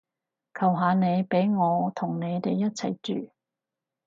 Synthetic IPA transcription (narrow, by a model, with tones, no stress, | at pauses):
kʰɐ˨˩wɦaː˨˧ne˨˧jpe˨˥jŋɔː˨˧t̪ʰʊ˨˩ŋne˨˧jt̪e˨jːɐ˥t̚t͡sʰɐ˨˩jt͡ʃyː˨